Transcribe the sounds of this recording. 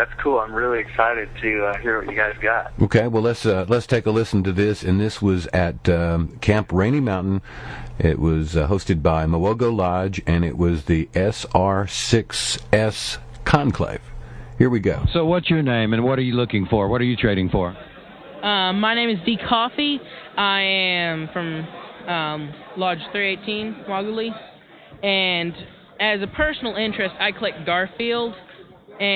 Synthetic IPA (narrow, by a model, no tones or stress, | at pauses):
ðætskʰulˠãɪ̃mɹɪlˠiɨksaɪɾɨd̚tʰɨʌhiɹwʌt͡ʃɨɡaɪzɡɑt̚ʔoʊkʰeɪwɛlˠətslətstʰeɪkəlɪsn̩tɨðɪsɨ̃nðɪswʌzɨt̚kʰæ̃mpʰɹẽɪ̃ɾ̃imãʊ̃nʔn̩ʔɪ̰ʔ̚wʔʌzɦoʊstɨd̚baɪməwoʊɡoʊlɑd͡ʒɨ̃nɪ̰ʔwʔʌzðiʔɛsɑɹsɪksɛs | kʰɑ̃nkʰl̥ḛɪv̥hiɹwiɡoʊsoʊwʌtsjə˞nẽɪ̃mɨ̃nwʌɾə˞jɨlʊkɪ̃ŋfə˞wʌɾə˞jɨtʰɹ̥eɪɾɪ̃ŋfə̰˞ | ʌ̃mːaɪñẽɪ̃mɨzdikʰɔfiaɪɨ̃mfɹʌ̃mʌ̃mlɑd̥d͡ʒ̥θɹieɪtʰĩnwɑɡəlˠi | ɨ̃n | ɨzɨpʰɜ˞sn̩l̩ˠɪ̃nt͡ʃɹ̥ɨstaɪkʰəlɛk̚t̚ɡ̥ɑɹfilˠd | ɨ̃